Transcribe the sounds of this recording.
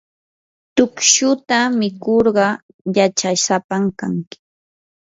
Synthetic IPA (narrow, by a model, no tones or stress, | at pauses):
t̪ʊkʃʊt̪amɪkoɾɢɑ | jat͡ʃasapamkaŋkɪ̥